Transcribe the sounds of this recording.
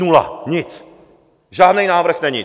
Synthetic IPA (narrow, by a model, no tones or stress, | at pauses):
nula̰ɲɪt͡s | ʒaːdnɛjnaːvr̩xnɛɲɪ